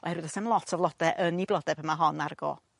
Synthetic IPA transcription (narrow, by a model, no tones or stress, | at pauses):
ɔ̰hɛɾwɨðɔsɛmlˠɔtʰɔvlˠɔd̥ɛʔəniblˠɔdɛb̥əmaɦɔnarɡ̥ɔ̰